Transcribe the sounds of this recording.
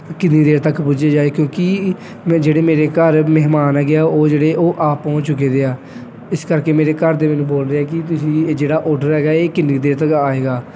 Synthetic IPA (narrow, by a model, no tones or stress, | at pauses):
kɪnːiːd̪eːɾt̪əkpʊd͡ʒeːd͡ʒaːeːkjõːki | md͡ʒeːɽeːmeːɾeːkəɾmɛɦmaːnɦɛːɡɪaːoːd͡ʒeːɽeːʔoːʔaːpːɔ̃ːt͡ʃt͡ʃʊk̬eːd̪eːaː | ɪskəɾkeːmeːɾeːkəɾd̪eːmɛːnũːboːld̪eːɛːkɪt̪̬ʊsĩːd͡ʒeːɽaːʔoːɖəɾɦɛːɡaːeːkɪnːiːd̪eːɾt̪əkaːeːɡaː